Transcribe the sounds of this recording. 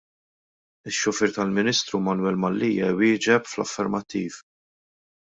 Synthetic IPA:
ɪʃːʊfɪɾt̪ɐlmɪnist̪ɾumɐnwɛlmɐlːiːjɛwɪːd͡ʒɛpflɐ̰fːɛɾmɐt̪ːiːv

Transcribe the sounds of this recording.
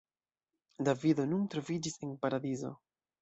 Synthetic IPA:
davido̞nuntɾo̞vid͡ʒise̞npaɾadizo̞̰

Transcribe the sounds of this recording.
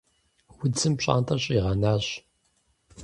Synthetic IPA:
wʊt͡sɨmpɕʼa̰ːntʰɐɕʼiʁɐnaːɕ

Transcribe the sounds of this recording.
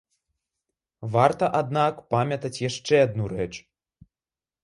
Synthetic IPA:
vart̪ɐʔad̪nakpamʲɐt̪ɐt͡sʲjaʂt͡ʂɛad̪̚nuɾɛt͡ʂ

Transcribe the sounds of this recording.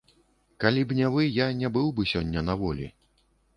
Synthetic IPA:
kalʲibnʲɛvɨjanʲɛbɨwbɨsʲɔnʲːɐnavɔlʲḭ

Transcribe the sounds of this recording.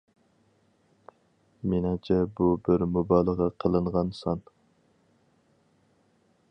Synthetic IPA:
menɑŋt͡ʃʰɛbubɪɾmubɑːlˠəʁɑqʰəlˠɨɴʁɑnsɑn

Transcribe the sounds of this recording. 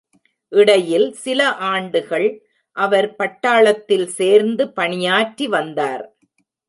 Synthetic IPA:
ʔɪɽɐjɪlsɪlɐʔaːɳɖɯɣɐɭ | ʔɐʋɐɾpɐʈːaːɭɐt̪ːɪlseːɾnd̪ɯpɐɳɪjaːʈɾiʋɐnd̪aːɾ

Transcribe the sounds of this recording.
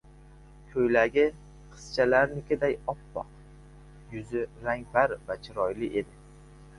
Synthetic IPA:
kʲʰɵjlaɡʲɪ | qʰɨ̥st͡ʃʰalaɾnɪkʲʰɪd̪ajɒpːɒ̰q | jʊzɪɾaŋbaɾvat͡ʃʰɪɾɒjlɪʔe̞d̪ɪ

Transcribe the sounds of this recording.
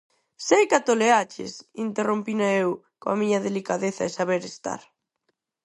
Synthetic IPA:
sejkat̪oleat͡ʃḛsint̪erompinaew | koamiɲɐðelikaðeθaesaβeɾest̪a̰ɾ

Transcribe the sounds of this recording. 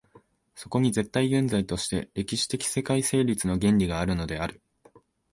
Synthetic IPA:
so̞ko̞ɲ̟ize̞t̪ːaiɡẽ̞nd͡zait̪o̞ɕi̥t̪e̞̰ɾe̞kʲiɕi̥t̪e̞kʲi̥se̞kaise̞ːɾʲit͡sɨno̞ɡẽ̞ɲɾʲiɡaːɾɯ̟no̞d̪e̞aɾɯ̟

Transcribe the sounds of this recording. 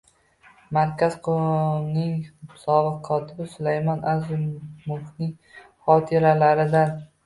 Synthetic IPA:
maɾkʲʰaz̥qʰonɪŋsɒbɨqʰːɒt̪ʰɪbɪsʊlajmɒnʔazɪmʊhnɪŋ | χɒt̪ʰɪɾalaɾɪd̪an

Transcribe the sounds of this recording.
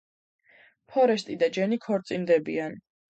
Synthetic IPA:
pʰɔɾɛst̪ʼid̪ad͡ʒɛnikʰɔɾt̪sʼind̪ɛbḭan

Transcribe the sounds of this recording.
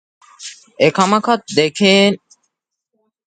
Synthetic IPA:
ekɐmɐkɐt̪̚d̪ekeːn

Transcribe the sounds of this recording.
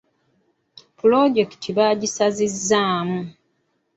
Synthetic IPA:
pulo̞ɟe̞ki̥tʰiβaːɟisazizːaːmu

